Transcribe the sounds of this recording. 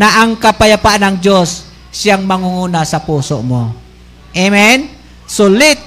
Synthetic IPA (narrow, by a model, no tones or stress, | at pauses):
naʔaŋkapajapaʔnaŋd͡ʒɔs | siaŋmaŋuŋunasapɔsɔʔmɔ | emɛn | sulit̪̚